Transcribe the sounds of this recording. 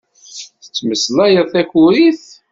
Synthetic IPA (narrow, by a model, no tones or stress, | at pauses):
θə̥t͡sːməslæjəðˤθæçuɾiθ